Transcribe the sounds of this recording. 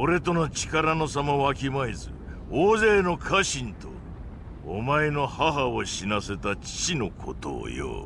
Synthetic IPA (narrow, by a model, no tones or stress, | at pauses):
oɾe̞t̪o̞not͡ɕi̥kaɾano̞samaakʲimaizɨ̰ | oːze̞ːno̞kʰaɕĩnt̪o̞̰ː | maeno̞haɦaoɕinase̞t̪at͡ɕi̥t͡ɕino̞kʰo̞t̪o̰jo̰